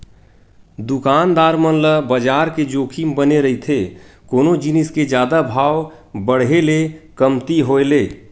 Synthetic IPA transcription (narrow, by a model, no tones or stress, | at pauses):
d̪ukaːnd̪aːɾmənləbəd͡ʒaːɾked͡ʒoːkʰimbəneɾəɦit̪ʰekoːnod͡ʒinɪsked͡ʒjaːd̪abʱaːw | bəɽ̤ɦelekəmt̪iɦoeleː